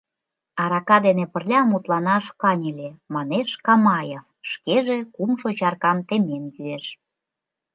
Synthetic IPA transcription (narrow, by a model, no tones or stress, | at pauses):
ɑɾɑkɑd̪enepə̆rlʲɑmut̪lɑnɑʃkɑnʲelʲemɑneʃkɑmɑjefʃkeʒekumʃot͡ɕɑrkɑmt̪emenvyeʃ